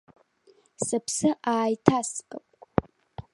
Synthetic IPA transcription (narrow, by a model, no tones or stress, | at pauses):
sɨpʰsɨʔaːjtʰaskʼɨpʼʷ